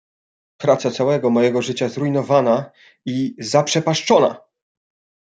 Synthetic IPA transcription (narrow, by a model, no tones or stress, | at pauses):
pɾat̪sat̪sawɛɡɔmɔjɛɡɔʐɘt͡ɕazɾujnɔvana | izapʂɛpaʂt͡ʂɔna̰